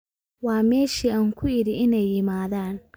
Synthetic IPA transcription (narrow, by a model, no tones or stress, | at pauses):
waːmeːʃiʔaŋkʰʷʊjiɾiʔɪnajimaːðan